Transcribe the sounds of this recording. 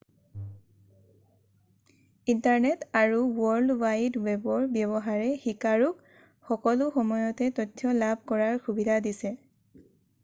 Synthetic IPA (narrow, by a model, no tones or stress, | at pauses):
intaɹnɛtaɹuwɔɹlwajdwɛbɔɹbjɔβɔɦaɹɛxikaɹuk | xɔkɔlʊxɔmɔjɔtɛtɔtʰjɔlab̚ʱkɔɹaɹxubidʱadisɛ